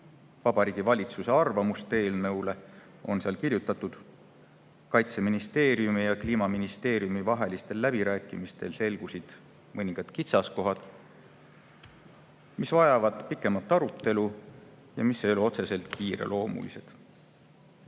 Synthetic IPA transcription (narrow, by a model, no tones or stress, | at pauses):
vɑb̥ɑɾiːɡ̥ivɑlʲit̪suse̞ɑrvɑmust̪e̞ːlneule̞ | o̞nseɑlkirjut̪ːˑɑt̪ːud̪̥ | kɑjt̪se̞minist̪e̞ːɾiumijɑkliːmɑminist̪e̞ːɾijumivɑɦe̞list̪e̞lːæbiɾæːkːˑimist̪e̞̰lse̞lɡ̥usid̪̥ | mɤnʲiŋɡ̥ɑd̪̥kit̪sɑsko̞ɦɑd̪̥ | misvɑjɑvɑd̪̥pikːˑe̞mɑt̪ːˑɑɾut̪ːˑe̞lu | jɑmisːejo̞leo̞t̪se̞se̞lt̪ˑkiːɾe̞̰lʔo̞ːmṵlise̞d̪̥